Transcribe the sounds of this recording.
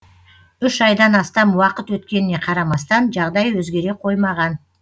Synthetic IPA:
ʏʃɑjd̪ɑnɑst̪ɑmuwɑqət̪wɵt̪kʲe̞nɪne̞qʰɑɾɑmɑst̪ɑnʒɑʁd̪ɑjwɵzɡʲe̞ɾe̞qʰo̞jmɑʁɑn

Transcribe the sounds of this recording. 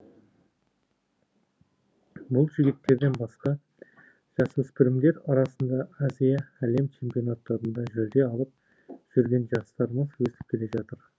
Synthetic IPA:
bʊlˠʒɪɡʲɪt̪ːe̞ɾd̪e̞nbɑsqɑ | ʒ̥ɑswɵspɪɾɪmd̪e̞ɾɑɾɑsənd̪ɑazijaæle̞mt͡ʃʰe̞mpio̞nat̪ːɑɾənd̪ɑʒɵld̪e̞ɑlˠəp̚ | ʒ̥ʏɾɡʲe̞nʒɑst̪ɑɾəməzwɵst̪ɪ̥p̚kʲʰele̞ʒɑt̪əɾ

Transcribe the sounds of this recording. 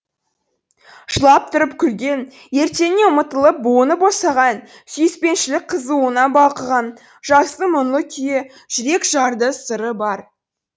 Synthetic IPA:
ʒəlˠɑp̚t̪ʰʊɾəpkʲʰʏlɡʲe̞n | je̞ɾt̪e̞neʊmət̪əlˠəp̚bonəbosɑʁɑn | syjɪspe̞nʃɪlɪk̚qʰəzuənɑbɑlˠqəʁɑn | ʒ̥ɑst̪əmʊnlˠəkʲʰʏje | ʒ̥ʏɾe̞kʒɑɾd̪əsəɾəbɑɾ

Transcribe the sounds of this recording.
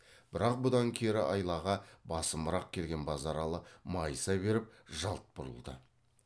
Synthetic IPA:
b̥ɪɾɑq̚bʊd̪ɑŋkʲʰeɾɪʔɑjlˠɑʁɑbɑsəməɾɑq̚kʲʰe̞lɡʲe̞nbɑzɑɾɑlˠəmɑjsɑbe̞ɾɪpʒɑlˠt̪̚b̥ʊɾə̰lˠd̪ə̰

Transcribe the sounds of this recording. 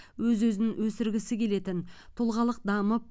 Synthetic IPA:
wɵzwɵzɪnɪŋwɵsɪɾɡʲɪsɪkʲʰe̞le̞t̪ɪnt̪ʰʊlˠʁɑlˠəq̚d̪ɑməp̚

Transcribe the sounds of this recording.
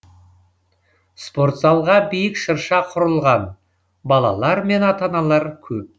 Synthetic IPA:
spo̞ɾt̪zɑlˠʁɑbijɪkʃəɾʃɑqʰʊɾəlˠʁɑn | bɑlˠɑ̰lˠɑɾme̞nɑt̪ɑnɑlˠɑɾkʲʰɵp̚

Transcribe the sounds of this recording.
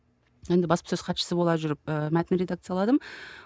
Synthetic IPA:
je̞nd̪ɪbɑspə̥sɵzqʰɑt̪ʃə̥səbolˠɑʒʏɾɪp̚əmæt̪ɪnɾʲe̞d̪akt̪sɨjɑlˠɑd̪əm

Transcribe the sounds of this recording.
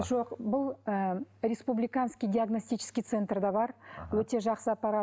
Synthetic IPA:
ʒo̞qbʊlˠəɾʲespublijkanskʲijd̪ʲiaɡno̞sʲt̪ijt͡ʃʰɪ̥skʲijt̪se̞nt̪rd̪ɑbɑɾwɵt̪e̞ʒɑqsəapːɑɾa

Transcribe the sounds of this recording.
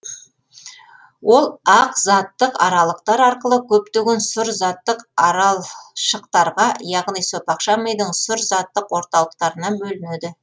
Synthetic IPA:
wo̞lˠɑqzɑt̪ːəqɑ̰ɾɑlˠəqt̪ɑɾɑɾqəlˠəkʲʰɵp̚t̪eɡʲensʊɾzɑt̪ːəqɑɾɑlˠʃəqt̪ɑɾʁɑjɑʁnijso̞t̪ɑqʃɑmejd̪əɴsʊɾzɑt̪ːəqwo̞ɾt̪ɑlˠəqt̪ɑɾənɑbɵlɪned̪ɪ

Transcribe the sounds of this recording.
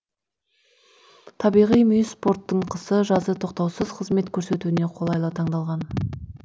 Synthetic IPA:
t̪ʰɑbijʁijmyjspo̞rt̪ːəɴqʰəsəʒɑzət̪ʰo̞qt̪ɑwsəz̥qʰəzme̞t̪kʲʰɵɾse̞t̪uɪne̞qʰolˠɑjlˠət̪ʰɑɴd̪ɑlˠʁɑn

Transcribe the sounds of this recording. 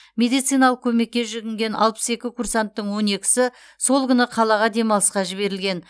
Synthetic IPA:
mʲe̞d̪ijt̪sɨjnɑlˠəq̚kʲʰɵme̞k̚ʲːe̞ʒɪɡʲɪŋɡʲe̞nɑ̰lˠpə̥se̞kʲɪkʰursant̪ːəɴwo̞ne̞kʲɪ̥sɪ | so̞lˠkʲʏnəqʰɑlˠɑʁɑd̪e̞mɑlˠəsqɑʒɪβe̞ɾɪlɡʲe̞n

